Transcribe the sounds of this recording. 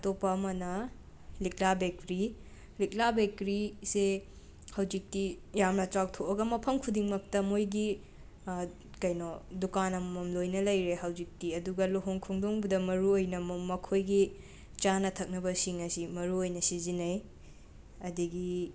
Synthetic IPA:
ɐtopːɐːmɐnɐ | lik̚labekɾi | lik̚labekɾise | hɐwzik̚ti | jamnɐtɾak̚tʰoʔɐɡɐmɐpʰɐmkʰudiŋmɐk̚tɐmojɡi | kɐjnodukanɐmmɐmlojnɐlɐjɾeɦɐwzik̚tiɐduɡɐloɦoŋkʰuŋdoŋbudɐmɐɾuojnɐmmɐkʰojɡi | t͡ʃanɐtʰɐk̚nɐbɐsiŋɐsimɐɾuojnɐsizinɐj | ɐdiɡi

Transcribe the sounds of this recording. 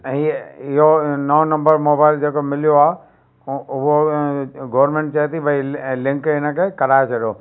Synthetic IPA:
ɦiɪɦonɐonɐ̃mbəɾmoːbaːɪld͡ʑeːkomɪlijoaː | ʊɦo | ɡoːʋəɾmẽːɳʈ̚t͡ɕaet̪ibʱɐilɪ̃ŋkɪnə̆kʰekɐɾaːet͡ɕʰɐɗjoː

